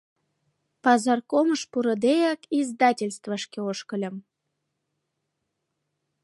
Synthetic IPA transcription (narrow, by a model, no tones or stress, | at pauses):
pɑzɑrkoməʃpuɾə̆d̪ejɑkizd̪ɑtʲelʲst̪vəʃkeoʃkəlʲə̆m